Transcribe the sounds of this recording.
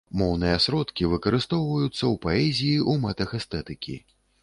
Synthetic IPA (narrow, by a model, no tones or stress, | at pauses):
mɔwnɨjɐsɾɔt̪kʲivɨkɐɾɨst̪ɔwvɐjut̪sːɐwpaɛzʲijiʔumɛt̪ɐxɛst̪ɛt̪ɨkʲḭ